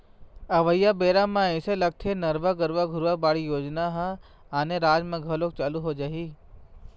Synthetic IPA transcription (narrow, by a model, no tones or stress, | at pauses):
ɐʋəjabeːɾamãɪselɐɡ̚t̪ʰenɐɾʋaɡəɾʋaɡʱʊɾʋabaːɽijoːd͡ʒnaɦ | aːneɾaːd͡ʒmẽɡʱɐloːk̚t͡ʃaːluɦod͡ʒaːɦiː